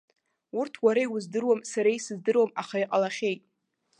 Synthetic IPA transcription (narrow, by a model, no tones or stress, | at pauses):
urtʰwaɾaiwʊzdɨrwamsaɾaisɨzdɨrwamaχaiqʼalaχʲe̞jtʼ